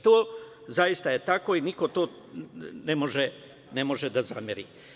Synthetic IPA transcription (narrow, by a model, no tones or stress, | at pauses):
t̪oː | zajist̪aje̞t̪ako̞iniko̞t̪o̞ː | nemoʒe | nemo̞ʒed̪azamjeɾḭː